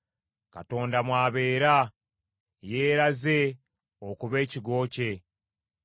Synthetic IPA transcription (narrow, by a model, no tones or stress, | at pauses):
ka̰to̞ːndamwaːβe̞ːɾa | jeːɾaze̞ | okuβe̞ːciɡo̞ːce̞